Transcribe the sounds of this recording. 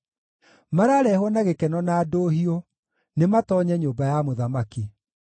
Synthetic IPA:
maɾaːɾɛhwɔnaɣekɛnɔnaːdoːɦio | nematɔɲɛɲoːbajamoðamaki

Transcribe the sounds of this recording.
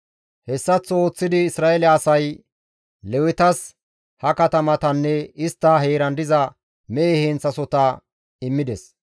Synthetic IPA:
hɛsːɐt͡sːo̞ːt͡sːɪd̪ɪːsɾaːɛlɛɐsɐj | lɛwɪt̪ɐs | hɐkɐt̪ɐmɐt̪ɐnːɛɪst̪ːɐɦe̞ːɾɐnd̪ɪzɐ | meːhɛnt͡sːɐsɔt̪ɐ | ɪmːɪd̪ɛs

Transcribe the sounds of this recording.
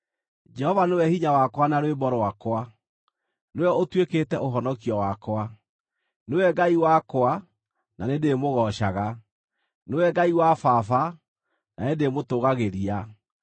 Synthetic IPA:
d͡ʒɛhɔvanewɛhiɲawakwanaɾwebɔɾɔwakwa | newɛotweketɛʔoɦɔnɔkiɔwakwa | newɛɡaiwakoa | nanedemoɣɔʃaɣa | newɛɡaiwafafa | naedemotoɣaɣeɾia

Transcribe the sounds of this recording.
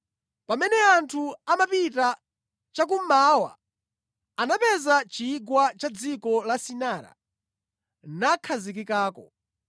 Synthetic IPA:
pamɛnɛantʰuamapita | t͡ʃak̬umaːwa̰ | anapɛzat͡ʃiːɡwat͡ʃad͡zikɔlasinaːɾa̰ | nakʰazik̬ikaːkɔ̰

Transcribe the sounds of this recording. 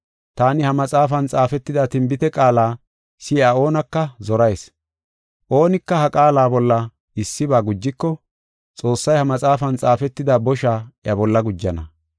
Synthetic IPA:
t̪aːnɪhɐmɐt͡sʼaːfɐnt͡sʼaːfɛt̪ːɪd̪at̪ɪmbɪt̪ɛkʼaːlaː | sɪɐo̞ːnɐkːɐzɔɾɐjs | ʔo̞ːnɪkːɐhɐkʼaːlaːbɔlːɐ | ɪsːɪbaːɡʊd͡ʒːɪkːɔ | t͡sʼo̞ːsːɐjhɐmɐt͡sʼaːfɐnt͡sʼaːfɛt̪ːɪd̪abɔʃaːjɐbɔlːɐɡʊd͡ʒːɐnɐ̰

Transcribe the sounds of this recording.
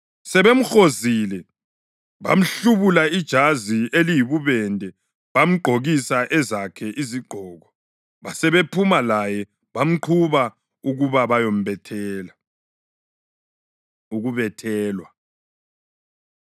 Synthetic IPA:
sɛβem̩xozilɛ | βa̰m̩ɬuβulaid̥ʒ̥ʱazielijiβuβɛndʱɛ | βam̩ɡ͡ǃʱoɣisaʔɛzakʰɛʔiziɡ͡ǃʱɔːɣɔ | βasɛβepʰumalajɛ | βam̩ǃʰuβa | uɣuβaβajom̩βɛtʰɛːla | uɣuβɛtʰɛːlwa

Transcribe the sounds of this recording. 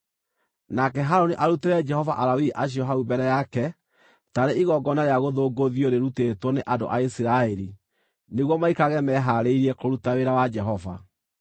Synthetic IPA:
nakɛɦaɾoniʔaɾuteɾɛd͡ʒɛhɔvaʔaɾawiʔaɕ̬iɔɦaubɛɾɛjakɛ | taɾeiɣɔɡɔnaɾeaɣoðoːɡoðioɾeɾutetwɔneʔado̰ʔaisiɾaeɾi | neɣwɔmaikaɣɛmɛɦaɾeiɾiɛkoɾutaweɾawad͡ʒɛɦɔva̰

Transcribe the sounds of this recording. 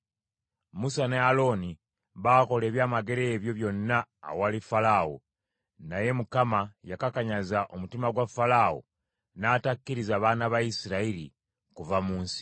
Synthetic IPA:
musane̞alo̞ni | βaːko̞le̞ːβjaːmaɡe̞ɾe̞ːβjo̞βjo̞nːa̰ːwalifalaːwo̰ | naje̞mukamajakakaɲazaʔomutimaɡwafalawo̰ | naːtakːiɾizaːβaːnaβaisiɾaiɾḭ | kuvamuːnsi̥

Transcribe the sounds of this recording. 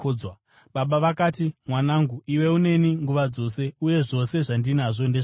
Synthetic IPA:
d͡zwa | ɓaɓaʋakaːtimwanaːŋɡuiwe̞une̞niŋɡuʋad͡zo̞se̞uje̞ʐo̞se̞ʐandinaʐo̞ndeʐ

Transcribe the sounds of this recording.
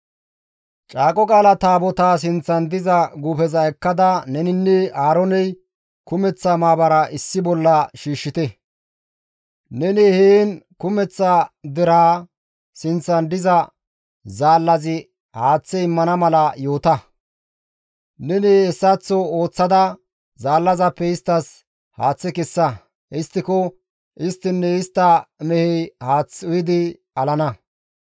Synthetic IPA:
t͡ʃʼaːkʼɔkʼaːlɐt̪aːbɔt̪aːs̬ɪnt͡sːɐnd̪ɪzɐɡuːfɛzɐɛkːɐd̪ɐnɛnɪnːɛaːɾɔnɛj | kʊmɛt͡sːɐmaːbɐɾɐʔɪsːɪbɔlːɐʃiːʃːɪt̪ɛ | nɛnɛheːnkʊmɛt͡sːɐd̪ɪɾaː | sɪnt͡sːɐnd̪ɪzɐ | zaːlːɐzɪ | haːt͡sːɛɪmːɐnɐmɐlɐjo̞ːt̪ɐ | nɛnɪɛsːɐt͡sːɔo̞ːt͡sːɐd̪ɐ | zaːlːɐzɐpːɛɪst̪ːɐs | haːt͡sːɛkɛsːɐ | ʔɪst̪ːɪkɔ | ʔɪst̪ːɪnːɛɪst̪ːɐmɛhɛjhaːt͡sːʊjɪd̪ɪ | ɐlɐnɐ

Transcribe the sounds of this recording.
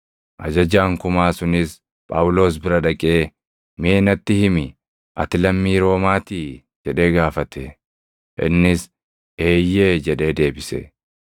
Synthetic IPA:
ʔɐ̰d͡ʒɐd͡ʒaːŋkʊmaːsʊnɪs | pʼa̰ːwʊlo̞ːs̬bɪɾɐᶑɐkʼe̞ː | meːnɐt̪ːɪhɪmɪ | ʔɐ̰t̪ɪlɐmːiːɾo̞ːmaːt̪iː | d͡ʒɛᶑe̞ːɡaːfɐt̪ʰɛ | ʔɪ̰nːɪs | e̞ːjːe̞ːd͡ʒɛᶑe̞ːd̪e̞ːbɪsɛ̰

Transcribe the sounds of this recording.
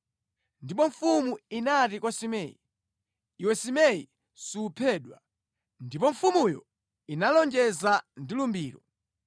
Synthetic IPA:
ndipɔɱfumuinatikwɔsimɛːjḭ | iwɛsimɛji | suːpʰɛːɗwa̰ | ndipɔɱfumujɔ̰ | inalɔnd͡ʒɛzandilumbiːɾɔ

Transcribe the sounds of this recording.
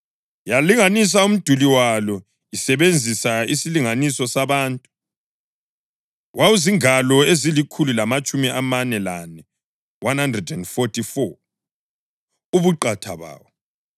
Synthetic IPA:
jaliŋanis̬aum̩d̥ʱuliwalɔ | isɛβend͡zʱisaisiliŋanisɔsaβaːntʼu̥ | wʔawuziŋalɔezilikʰululamat͡ʃʼumiʔamanɛlanɛ | wʔanhandrɛdɛndfɔtʰʼifɔ | uβuǃatʰa̰βa̰ːwɔ

